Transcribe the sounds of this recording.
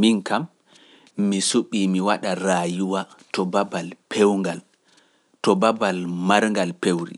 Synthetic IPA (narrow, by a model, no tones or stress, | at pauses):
minkamː | isuɓimiwaɗaɾajuwa | tɔbabalpʰewŋɡal | tɔbabalmaɾŋɡalpewɾḭ